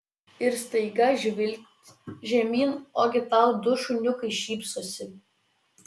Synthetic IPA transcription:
ɪɾst̪ɐɪɡɐʒʲɪlʲt̪ʲʒʲɛmʲiːnoːɡʲɪt̪ɑˑʊd̪ʊʃʊnʲʊkɐɪʃʲiːpsoːsʲɪ

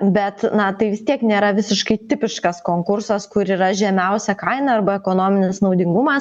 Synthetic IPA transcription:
bʲɛt̪nɐt̪ɐɪʋʲɪst̪ʲiɛknʲeːɾɐʋʲɪsʲɪʃkɐɪt̪ʲɪpʲɪʃkɐskoːŋkʊɾsɐskʊɾiːɾɐʒʲɛmʲɛʊsʲɛkɐɪnɐɐrbɐɛkoːnoːmʲɪnʲɪsnɐʊd̪ʲɪŋɡʊmɐs

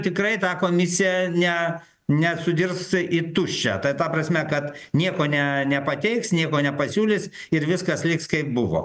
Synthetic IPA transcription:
t̪ʲɪkrɐɪt̪ɑːkoːmʲɪsʲɪjɛnʲɛ | nʲɛsʊd̪ʲɪrsɪt̪ʊʃʲt͡ʃʲɛ̰t̪ɐt̪ɐprɐsʲmʲɛkɐt̪nʲiɛkoːnʲɛnʲɛpɐt̪ʲɛɪksnʲiɛkoːnʲɛpɐsʲuːlʲɪs | ɪɾʋʲɪskɐslʲɪkskɐɪp̚bʊʋo̰ː

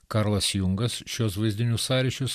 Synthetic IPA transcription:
kɑɾlˠɐsjʊŋɡɐsʃʲuɔs̬ʋɐɪzʲd̪ʲɪnʲusɑːɾʲɛʃʲʊs

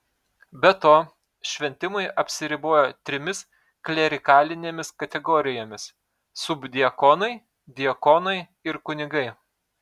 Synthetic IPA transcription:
bʲɛt̪oː | ʃʲʋʲɛnʲt̪ʲɪmɐɪʔɐpʲsʲɪɾʲɪboːjoːt̪ʲɾʲɪmʲɪs | klʲɛɾʲɪkɑːlʲɪnʲeːmʲɪskɐt̪ʲɛɡɔːɾʲɪjoːmʲɪs | sʊbd̪ʲɪɐkoːnɐɪ | d̪ʲɪɐkoːnɐɪ | ɪɾkʊnʲɪɡɐɪ

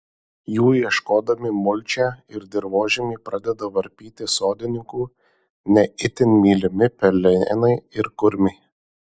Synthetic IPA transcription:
juːjiɛʃkoːd̪ɐmʲɪmʊlʲt͡ʃʲɛːɪɾd̪ʲɪɾʋoːʒʲɪmʲiɪpɾɑd̪ʲɛd̪ɐʋɐɾʲpʲiːt̪ʲɪsoːd̪ʲɪnʲɪŋkuː | nʲɛɪt̪ʲɪnʲmʲiːlʲɪmʲɪpʲɛlʲɛnɐɪɪɾkʊɾʲmʲɛɪ

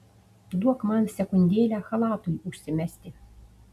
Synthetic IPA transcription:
t̪d̪uɔkmɑnsʲækonʲd̪ʲeːlʲæxɑlˠɑːt̪ujuʃsʲɪmʲæsʲt̪ʲɪ

